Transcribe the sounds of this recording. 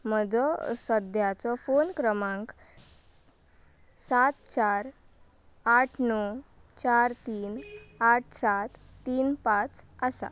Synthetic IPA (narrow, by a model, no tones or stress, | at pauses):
məd͡zɔsəd̪ʱjat͡sɔfonkɾəmãŋk | sat̪t͡ɕaɾ | aʈʰnɔt͡ɕaɾt̪iːnaʈʰsat̪ːiːnpãt͡sasa̰